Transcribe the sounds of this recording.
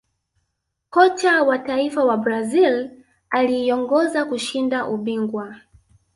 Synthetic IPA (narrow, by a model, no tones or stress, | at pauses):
kɔt͡ʃawataifawabɾazil | aliːɔŋɡɔzakuʃindaʔuɓiŋɡwa